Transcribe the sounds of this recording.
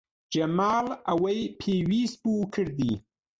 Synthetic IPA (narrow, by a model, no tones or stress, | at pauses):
d͡ʒɐmɑːlawajpʰewiːspukʰəɽd̪i